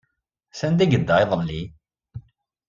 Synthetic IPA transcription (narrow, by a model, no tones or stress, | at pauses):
sænd̪æɡəd̪ːæeðˤəlːi